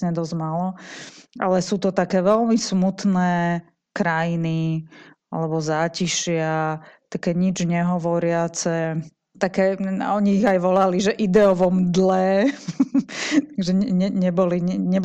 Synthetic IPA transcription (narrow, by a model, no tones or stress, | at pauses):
ɲɛd̪ɔzmaːlɔʔa̰lɛsuːt̪ɔt̪akɛːʋɛlmismut̪nɛː | kɾajini | a̰lɛbɔzaːciʃɪat̪akɛːɲid͡ʒɲɛɦɔʋɔɾɪat͡sɛ | t̪akɛːɔɲiːɣajʋɔlaliʒɛʔid̪ɛɔʋɔmd̪lɛ | t̪aɡʒɛɛɲɛɲɛbɔliɲɛɲɛb